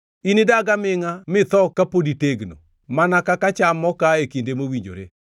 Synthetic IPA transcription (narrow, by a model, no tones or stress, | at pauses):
inɪdaɡamɪŋamɪt̪ɔkːapoditeɡno̰ | manakakat͡ʃamɔkaekindemowiɲd͡ʒo̰ɾḛ